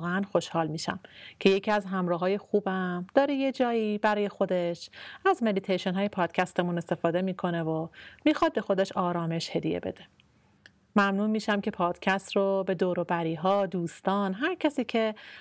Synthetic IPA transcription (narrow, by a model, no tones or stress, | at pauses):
ɣeænxo̞ʃhɒːlmiːʃæ̰mcʰe̞jecʰiːæzɦæmɾɒːɦɒːje̞xuːbæmd̪̥ɒːɾejed͡ʒɒːjiːbæɾɒːje̞xo̞d̪e̞ʃæzme̞d̪it̪ʰejʃonɦːje̞pʰɒːd̪̥cʰæst̪e̞mune̞st̪e̞fɒːd̪e̞miːkʰo̞ne̞vomiːxɒːd̪̚be̞xo̞d̪e̞ʃɒːɾɒːme̞ʃhe̞d̪ijḛbe̞̰d̪e | mæmnuːnmiːʃæmce̞pʰɒːd̪̥cʰæst̪ɾobe̞d̪oːɾobæɾiːɦɒːd̪uːst̪ɒːnɦæɾcʰæsiːcʰe̞